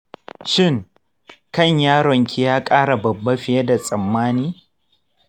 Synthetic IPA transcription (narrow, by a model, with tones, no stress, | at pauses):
ʃɪ˦˨ŋ | kɐ˦˨ɲjaː˦ɽɔ˨ŋkʲi˦jaː˦kʼaː˦ɽa˨bɐ˨bːɐ˦ɸɪ˨je˦da˨sʼɐ˨mːaː˦niː˦